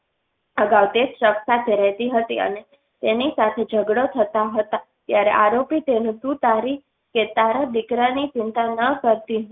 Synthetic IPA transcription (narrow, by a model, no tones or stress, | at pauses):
əɡaʋt̪eʃəksat̪ʰeɾɛɦt̪iɦət̪iə̰ne | t̪enisat̪ʰed͡ʒʱəɡɽot̪ʰət̪aɦət̪a | t̪jaɾeʔaɾopit̪enũt̪ut̪aɾi | ket̪aɾad̪ikɾanit͡ʃɪnt̪anəkəɾt̪i